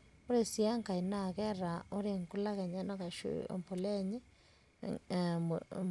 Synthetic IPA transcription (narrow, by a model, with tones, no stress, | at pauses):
o˦ɾe˨si˦a˦ŋka˨i˨na˨ɣɛ˦ɾa˨o˦ɾe˦ŋku˦la˦ɣɛ˨ɲa˦nɔ˦ka˨ʃṵ˨mpo˨lɛ˦ɲe˦